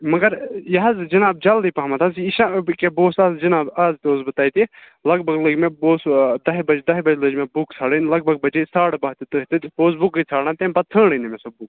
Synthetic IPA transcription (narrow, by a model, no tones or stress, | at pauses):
mɐɡɐɾjɐɦɐzd͡ʒɐnaːb̚d͡ʒɐld̪ipɐɦmɐt̪ʰɐsiʃãkeboːsaːzd͡ʒɐnaːbaːzt̪oːzbɨt̪aːit̪i | lɐɡbʱɐɡləɡmẽboːsd̪ɐɦbɐd͡ʒd̪ɐɦbɐd͡ʒləd͡ʒmẽbukt͡sʰaːɽənlɐɡ̚bʱɐɡ̚bɐd͡ʒesaːɽbɐːɦt̪it̪əɦt̪it̪oːsbukit͡sʰaːɽãt̪ẽːmbɐt̪ʰə̃ːɽənimẽsobuk